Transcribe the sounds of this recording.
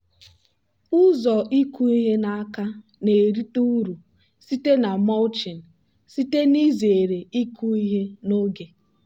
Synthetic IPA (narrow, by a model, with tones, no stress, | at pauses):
ʊ˦zɔ˨i˦ku˦i˦ɦe˦na˦a˦ka˦ | ne˨ɾi˦tu˦ɾu˨ | si˦te˦na˨mɔ˦lt͡ʃi˨n̩˨ | si˦te˦ni˦ze˨e˨ɾe˨i˦ku˦i˦ɦe˦no˦ɡe˨